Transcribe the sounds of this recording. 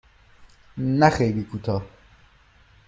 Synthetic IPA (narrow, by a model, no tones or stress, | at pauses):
næxejliːkʰut̪ʰɒː